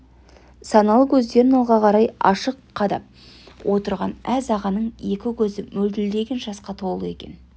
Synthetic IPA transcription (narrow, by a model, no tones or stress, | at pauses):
sɑnɑlˠəkʲʰɵzd̪e̞ɾɪnɑlˠʁɑqʰɑɾɑjɑʃəqʰːɑd̪ɑ̰p | wʔo̞t̪əɾʁɑnæzɑʁɑnəɴe̞kʲɪkʲʰɵzɪmɵld̪ɪld̪e̞ɡʲe̞nʒɑsqɑt̪ʰo̞lˠəe̞kʲe̞̰n